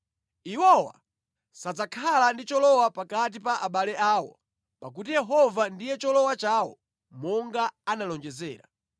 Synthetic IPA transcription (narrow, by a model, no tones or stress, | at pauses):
iwɔwa̰ | sad͡zakʰalandit͡ʃɔlɔwapakat̬ipaʔaɓalɛaːwɔ̰ | pak̬utijɛɦɔvandijɛt͡ʃɔlɔwat͡ʃawɔ̰ | mɔŋɡaanalɔnd͡ʒɛzɛ̰ːɾa̰